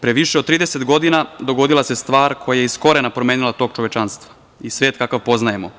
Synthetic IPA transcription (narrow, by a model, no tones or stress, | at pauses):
pɾeʋiʃeod̪t̪ːɾiːd̪eset̪ɡo̞d̪inad̪o̞ɡo̞d̪ilˠasest̪ʋaːɾkʰo̞jajeisko̞ɾenapɾomeːnilat̪o̞ːɡ̚t͡ʃoʋet͡ʃanst̪ʋḁ | isʋeːt̪̚kakaʋpo̞znajemo